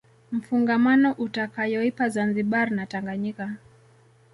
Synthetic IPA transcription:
m̩fuŋɡamanɔʔutakajɔipazanziɓaɾinataŋɡaɲika

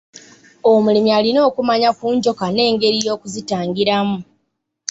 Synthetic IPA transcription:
o̞mulimialino̞ːkumaɲakuːɲɟo̞kane̞ːŋɡe̞ɾijo̞ːkuzitaːŋɡiɾamu

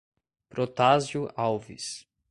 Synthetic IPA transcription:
pɾot̪azjʊawvḭs

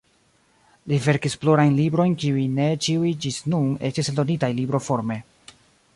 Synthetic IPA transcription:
live̞ɾkisploɾajnlibɾo̞jnkiujne̞t͡ʃiujd͡ʒisnune̞t͡ʃisdo̞nitajlibɾo̞fo̞ɾme̞

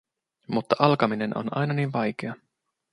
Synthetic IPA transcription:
mut̪ːɑʔɑlkɑmine̞nʔo̰nɑ̰jnɑniːnʋɑjk̟e̞ɑ

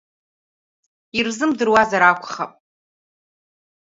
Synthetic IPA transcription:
irzɨmdɨrwazaɾakʷʰχapʼ

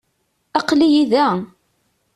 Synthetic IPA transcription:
ɑqlijiðæ

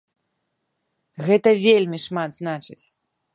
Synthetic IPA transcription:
ɣɛt̪ɐvʲelʲmʲiʂmad̪znat͡ʂɨt͡sʲ

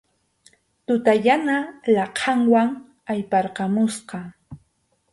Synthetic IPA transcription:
t̪ʊt̪aʎanalɑqʰɑŋwaŋ | ajpɑɾqɑmʊsqɑ

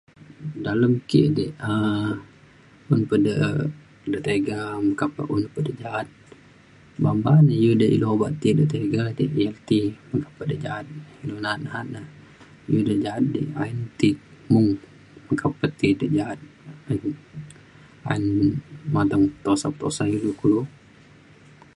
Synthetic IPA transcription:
daləmkḭʔdəʔə | unpədəʔ | dəʔt̪eɡaməkapə̰ʔunpədəd͡ʒaat̪̚ | bambanəjudəʔḭloɦobaʔt̪idət̪eɡadiʔiɛlt̪iməŋkḁpədəd͡ʒaat̪̚ilunaat̪̚naɦat̪̚nəh | judəd͡ʒaɦat̪̚dḭa̰int̪imuŋ | məkapət̪idəd͡ʒaɦat̪̚ain | ainmat̪əŋt̪osapət̪o̰sajulukulu

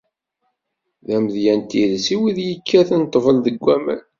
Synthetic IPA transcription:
ðæməðjænt̪ilsiwiðjəkʰːæθnt̪ˤːvəlðəɡʷːæmə̰n

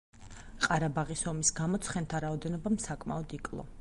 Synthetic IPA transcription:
qʼaɾabaʁisɔmisɡamɔt̪sʰχɛnt̪ʰaɾaɔd̪ɛnɔbamsakʼma̰ɔd̪ikʼlˠɔ̰

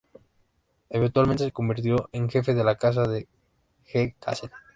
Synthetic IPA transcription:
eβent̪walẽnt̪e̞seko̞mbiɾt̪̬jo̞ʔeŋxefeðelakas̬aðe | xeka̰sen

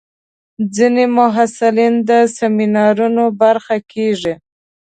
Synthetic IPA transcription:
d͡zinemʊɦasɪlind̪əseminɑɾunobaɾxakeʐi

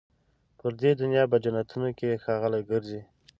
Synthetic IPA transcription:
pəɾd̪ed̪ʊnjɑb̬əd͡ʒanat̪ʰunokexɑɣəlajɡəɾzi

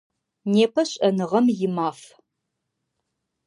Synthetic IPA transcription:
neːpʰɐɕʼɐnɨʁɐmjɪmaːf

